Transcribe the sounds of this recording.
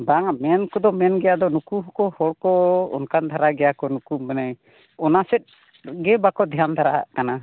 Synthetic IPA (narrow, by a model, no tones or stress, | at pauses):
baŋamɛnkɔd̪ɔmɛnɡɛjad̪ɔnukuɦɔkɔhɔɽkɔɔ̰nkand̪ʱaɾaɡɛjakɔnukumɛnaj | ɔnasɛt̪̚ˀ | ɡɛbakɔd̪ʱɛjand̪ʱaɾaʔkana